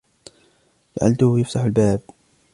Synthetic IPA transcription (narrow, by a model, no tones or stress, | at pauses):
d͡ʒaʕa̰lt̪ʊhjaft̪aħalbaːb̚